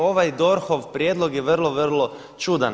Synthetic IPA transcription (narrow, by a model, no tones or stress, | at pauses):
oʋajd̪o̞ɾxoʋpɾʲjed̪loɡjeʋərlˠoʋər̩lo | t͡ʃud̪an